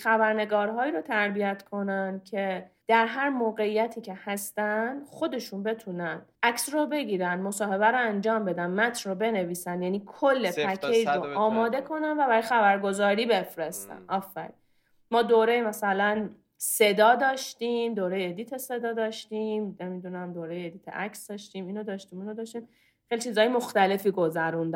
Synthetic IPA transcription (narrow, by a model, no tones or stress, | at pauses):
xæbæɾne̞ɡɒːɾɦɒːiːɾot̪ʰæɾbijæt̪ʰkʰo̞nænd̪cʰe̞d̪̥æɾɦæɾmoːɣe̞ijæt̪ʰiːcʰe̞hæst̪ænd̪̥xo̞d̪e̞ʃuːnbe̞t̪ʰuːnænʔæksrobe̞ɡiːɾænd̪mo̞sɒːhe̞βæɾoænd͡ʒɒːmbe̞d̪ænmæt̪ʰrobe̞neviːsændjæːniːkʰolːepʰækʰejɾoʔɒːmɒːd̪e̞kʰo̞nænvæbæɾɒjxæbæɾɡo̞zɒːɾiːbe̞fɾest̪æ̰nʔɒːfːæ̰ɾḭ | mɒːd̪oːɾejemæsælæn | se̞d̪ɒːd̪ɒːʃt̪iːmd̪oːɾejed̪it̪ʰe̞se̞d̪ɒːd̪ɒːʃt̪iːmne̞mid̪unæmd̪oːɾejeed̪iːt̪ʰḛʔæksd̪ɒːʃt̪iːmiːnod̪ɒːʃt̪iːmiːnod̪ɒːʃt̪im | xejlit͡ʃʰiːzɒːjemo̞xt̪æle̞fiːɡo̞zæɾund̪æ